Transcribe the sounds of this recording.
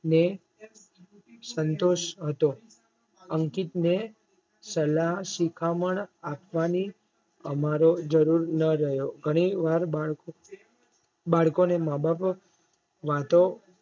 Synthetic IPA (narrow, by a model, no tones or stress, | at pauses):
ne | sənt̪oʃɦət̪o | əŋkit̪ne | səlasikʰaməɳapʋani | əmaɾod͡ʒəɾuɾnəɾəɦjoɡʱəɽ̃iʋaɾbaɭo | baɭkonemabap | ʋat̪o